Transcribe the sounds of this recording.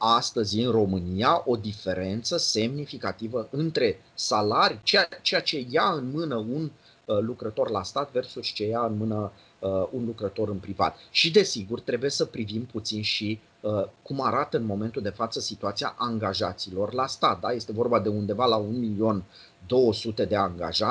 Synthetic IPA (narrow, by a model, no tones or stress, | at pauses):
ast̪əzʲɨnro̞mɨniaʔo̞d̪ife̞ɾe̞nt̪səse̞mnifikat̪ivəɨnt̪ɾe̞ | salaɾit͡ʃeat͡ʃejat͡ʃe̞jaɨnmɨnəun | lukɾət̪o̞rla̰st̪at̪ve̞rsuʃt͡ʃe̞jaɨnmɨnə | unlukɾət̪o̞ɾɨnpɾiva̰t̪ʃid̪e̞siɡurt̪ɾe̞buje̞səpɾivimput̪sinʃi | əkumaɾat̪əɨnmo̞me̞nt̪uld̪e̞fat̪səsit̪uat̪sia̰ʔaŋɡaʒat̪silo̞rlast̪at̪̚d̪aje̞st̪e̞vo̞rbad̪e̞und̪e̞valaunmilio̞n | d̪o̞wəsut̪e̞d̪e̞aŋɡa̰ʒa